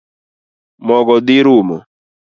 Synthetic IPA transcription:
mɔɡɔd̪ɪɾumɔ̰

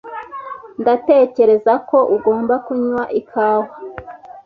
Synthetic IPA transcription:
ndate̞ːce̞ɾe̞zako̞ʔuɡo̞ːmbakuɲwaʔikʰaːwa

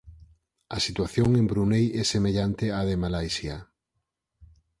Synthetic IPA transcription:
asit̪waθjoŋẽmbɾunejɛsemeʎant̪eaðemalajsja

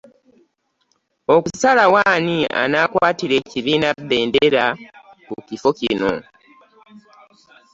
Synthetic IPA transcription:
o̞kusalawaːnia̰naːkwaːtiɾe̞ciβiːnade̞ːndeɾa | kucifo̞cino̞̰

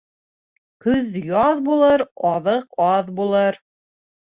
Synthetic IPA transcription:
kɵðjɑðbulˠɤɾɑðɤqɑðbulˠɤɾ

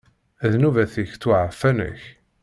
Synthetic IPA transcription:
æðnuvæθiçt̪ːʊʕəfːænə̰ç

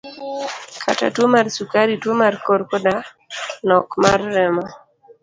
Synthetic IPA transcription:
kʰa̰ta̰twomarsukaɾitwomarkɔɾkɔda | nɔkmarːɛmɔ

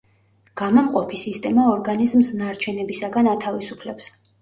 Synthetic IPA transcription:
ɡ̥amamqʼɔpʰisist̪ʼɛmaɔɾɡanizmsnaɾt͡ʃʰɛnɛbisaɡanat̪ʰavisupʰlɛps

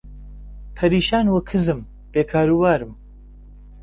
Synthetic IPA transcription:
pʰɐɾiːʃaːnwɐkʰɨzɨm | b̥eːkʰaːɾubaːɾɨm

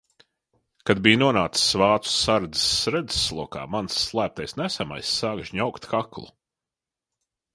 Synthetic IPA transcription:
kad̪bijnuɔnaːt̪ssvaːt̪u̥saɾd̪isɾɛd̪zsːlˠuɔka̰ːmansːlˠæːp̚t̪ajsnæsæma̰jsːaːɡʃɲawkt̪kaklˠṵ

